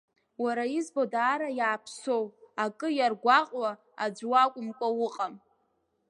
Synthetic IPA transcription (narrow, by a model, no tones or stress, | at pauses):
waɾaizbodaːɾajaːpʰso̞wakʼɨjarɡʷaqʼwa | ad͡ʒʷwakʷʼʊmkʷʼawʊqʼam